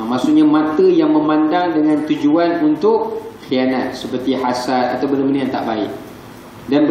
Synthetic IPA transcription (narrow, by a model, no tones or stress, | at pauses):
maʔsuʔɲamãt̪əjaŋmə̃mãndaŋdəŋãnt̪ud͡ʒuanunt̪ʊʔxianat̪̚səpərt̪ihasala̰t̪awbəndəbəndəjaŋt̪a̰ʔbaɪ̰ʔ | danbə